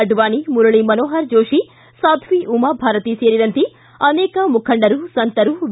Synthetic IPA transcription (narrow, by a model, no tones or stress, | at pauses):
ɐɖʋaːnimuɾɐɭimɐnoːɦɐɾd͡ʒoːʂi | saːt̪ʰʋiʔumɐbʱaːɾɐt̪iseːɾiɾɐnt̪i | ɐnɛːkɐmukʰɐɳɖɐɾusɐnt̪ɐɾuʋ